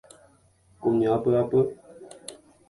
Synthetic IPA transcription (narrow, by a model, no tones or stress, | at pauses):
komɲapəapə